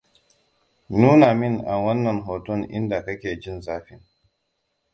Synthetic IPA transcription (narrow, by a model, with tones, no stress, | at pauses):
nuː˦naː˨mɪ˦˨ŋʔa˨wɐ˦nːɐ˨ŋɦoː˨tɔ˦˨ŋʔɪ̰˦nda˨kɐ˦kʲeː˨d͡ʒɪ˦nzaː˦ɸɪ˦ŋ